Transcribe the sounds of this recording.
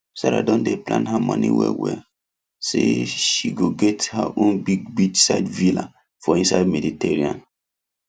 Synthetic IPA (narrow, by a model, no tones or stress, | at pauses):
saɾa̰dɔ̃ndeplã̰nɦamɔ̃nḭwɛ̰wɛ | sḛʃiɡoɡɛthaʔõnbiɡ̚bit͡ʃsaɪdvila | fɔĩnsaɪdmɛditɛɹiã̰n